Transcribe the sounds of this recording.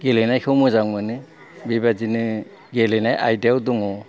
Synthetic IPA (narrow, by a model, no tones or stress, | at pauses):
ɡelɯjnajkʰɯwmɯzaŋmɯnɯ | bibazinɯ | ɡelɯnajʔajdawduŋɔ